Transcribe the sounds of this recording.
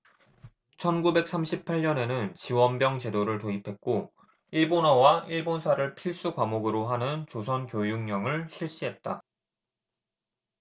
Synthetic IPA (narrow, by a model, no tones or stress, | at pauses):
t͡ɕʰʌnɡube̞k̚s͈amɕʰipʰaɭɲʌne̞nɯnt͡ɕiwʌnbjʌŋt͡ɕe̞doɾɯɭtoipʰe̞t̚k͈o | iɭbonʌwaʔiɭbonsʰaɾɯɭpʰiɭs͈ukwamoɡɯɾoɦanɯnt͡ɕosʰʌnkjojuŋɲʌŋɯɭɕʰiɭɕ͈iɦe̞t̚t͈a̰